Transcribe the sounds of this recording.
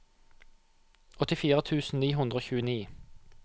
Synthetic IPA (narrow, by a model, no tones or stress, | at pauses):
ʔɔt̪ɪfiːʁət̪ʰʉːsn̩niːɦʉnd̪ʁəoːçʉːəniː